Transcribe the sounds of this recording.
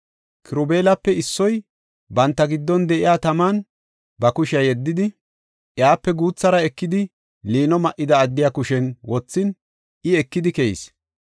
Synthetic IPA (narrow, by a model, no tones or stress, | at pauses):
kɪɾʊbe̞ːlɐpːɛɪsːɔj | bɐnt̪ːɐɡɪd̪ːɔnd̪ɛʔɪjaːt̪ɐmaːn | bɐkʊʃɪɐjɛd̪ːɪd̪ɪ | ʔjaːpːɛɡuːt͡sːɐɾɐɛkːɪd̪ɪ | liːnɔmɐʔːɪd̪ɐːd̪ːɪjaːkʊʃɛnwɔt͡sːɪn | ɪɛkːɪd̪ɪkɛjḭs